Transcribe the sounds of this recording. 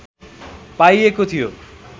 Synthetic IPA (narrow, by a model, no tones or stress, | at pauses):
pajekot̪ʰijo